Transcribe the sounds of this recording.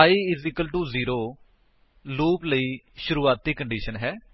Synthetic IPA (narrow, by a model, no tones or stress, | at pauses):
aːiːɪzɪkəlʈuːziːɾoː | luːpləiː | ʃʊɾuːaːt̪ːiːkəɳɖiːʃənɦɛː